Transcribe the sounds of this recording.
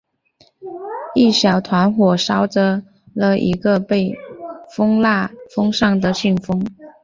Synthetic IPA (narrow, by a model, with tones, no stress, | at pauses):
i˥˩ɕjɑ˨˩ʊt̪ʰwa˧˥nxwɔ˨˩ʂɑ˥ʊʈ͡ʂə˧ | lə˧ʔḭ˧˥ɡə˧pe˥˩ɪfɤ˥ŋla˥˩fɤ˥ŋʂɑ˥˩ŋd̪ə˨ɕy˥˩ŋfɤ˥ŋ